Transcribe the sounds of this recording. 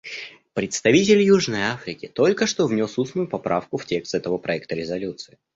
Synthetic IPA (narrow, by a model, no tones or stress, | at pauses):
pɾʲɪt̪st̪ɐvʲitʲɪlʲjuʐnəjafɾʲɪkʲɪt̪o̞lʲkəʂt̪ovnʲo̞susnʊjʊpɐpɾa̰fkʊftʲe̞kst̪ɛt̪əvəpɾɐɛk̚t̪əɾʲɪzɐlʲut̪sɨɪ